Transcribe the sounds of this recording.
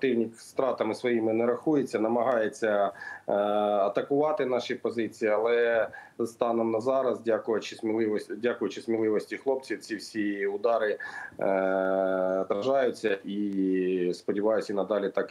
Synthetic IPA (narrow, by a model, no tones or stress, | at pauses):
t̪ɪwnʲikst̪ɾɑt̪ɐmɪsʋɔjimɪnɛɾɐxujet͡sʲːɐnɐmɐɦɑjet͡sʲːɐ | ɐt̪ɐkʊʋɑt̪ɪnɑʃipɔzɪt͡sʲijiɐlˠɛzst̪ɑnɔmnɐzɑɾɐzdʲakʊjɐt͡ʃɪsmʲilˠɪʋɔdʲakʊjʊt͡ʃɪsmʲilˠɪʋɔsʲtʲixlˠɔp̚t͡sʲiwt͡sʲiwsʲiʊd̪ɑɾɪ | t̪ɾɐʒɑjʊt͡sʲːɐʔi | spɔdʲiʋɑjʊsʲinɐd̪ɑlʲit̪ɑk